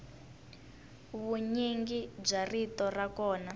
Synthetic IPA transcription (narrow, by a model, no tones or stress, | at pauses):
βuɲiŋɡib͡ʐaritɔrakɔːna